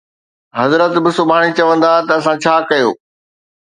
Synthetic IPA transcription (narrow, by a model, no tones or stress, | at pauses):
ɦɐzɾət̪bɪsʊbʱaːɽ̃it͡ɕɐʋə̃nd̪at̪ɐːsãt͡ɕʰaːkɐjoː